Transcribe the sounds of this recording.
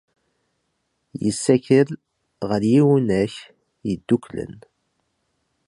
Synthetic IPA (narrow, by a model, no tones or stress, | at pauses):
jəsːæçəɾ | ʁəɾjiwnæç | jəd̪ːuklə̰n